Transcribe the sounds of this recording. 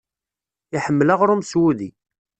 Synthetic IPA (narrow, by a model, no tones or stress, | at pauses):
iħəmːlaʁɾumswuði